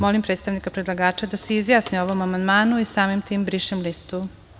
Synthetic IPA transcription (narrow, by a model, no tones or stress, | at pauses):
molimpɾet̪st̪aʋnikapɾed̪lˠaɡaːt͡ʃad̪aseizjaːsnioʋomamand̪maːnuisaːmimt̪iːmbɾiʃemlist̪u